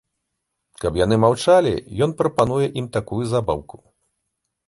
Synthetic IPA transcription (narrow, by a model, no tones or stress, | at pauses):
kɐpjan̪ɨmawt͡ʂalʲḭjɔnpɾɐpanujɛʔimt̪akujuzaba̰wku̥